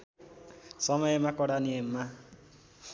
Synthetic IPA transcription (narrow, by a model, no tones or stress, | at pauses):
sʌmʌjemakʌɽaniemːa